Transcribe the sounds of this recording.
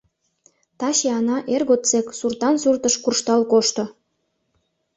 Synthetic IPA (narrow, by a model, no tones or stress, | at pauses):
t̪ɑɕeɑnɑʔerɣot̪t͡seksurt̪ɑnsurt̪əʃkurʃt̪ɑlkoʃt̪ŏ